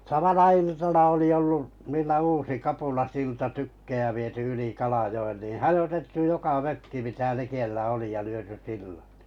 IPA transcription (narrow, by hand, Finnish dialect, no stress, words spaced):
sɑmɑnɑ iltɑnɑ oli olːu niːlːæ uːsi kɑpulɑsiltɑ tykːej̆æ ʋiety yli kɑlɑjoen niˑ hɑjotetːu jokɑ møkːi mitæ likelːæ oli jɑ lyøty silːɑ̥t